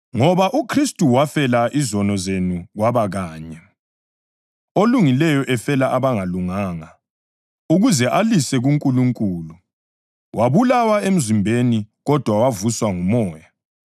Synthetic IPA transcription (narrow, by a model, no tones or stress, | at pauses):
ŋɔβaʔukʰristʼuwafɛlaʔizɔnɔzenuɣwaβaɣaːɲɛ | oluŋilɛjɔʔɛfɛlaʔaβaŋaluŋaːŋa | uɣuzɛʔalisɛɣuŋkʼuluŋkʼuːlu | wʔaβulawaem̩zimbʱeniɣɔd̥ʱwawavuswaŋumɔːja